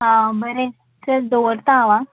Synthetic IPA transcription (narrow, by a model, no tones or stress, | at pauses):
abəɾe | səɾd̪oəɾt̪aːʋa